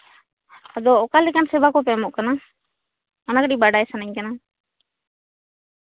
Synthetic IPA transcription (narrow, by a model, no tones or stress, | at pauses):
ad̪ɔːkalɛkansɛbakɔpɛmɔʔkana | ɔnakaɗibaɖajsanaɲkana